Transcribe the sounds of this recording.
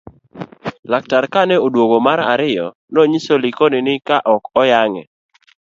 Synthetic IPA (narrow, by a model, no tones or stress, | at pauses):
lak̚taɾkanɛodwoɡomaɾa̰ɾɪjɔ | noɲisolikonɪnɪkaʔɔkɔjaŋɛ̰